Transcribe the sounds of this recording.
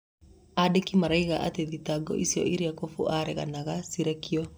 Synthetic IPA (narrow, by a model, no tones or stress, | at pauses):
adekimaɾaiɣaʔateðitaɡɔ̰ʔisjɔ̰iɾiakofuʔaɾɛɣa̰naɣasiɾɛkiɔ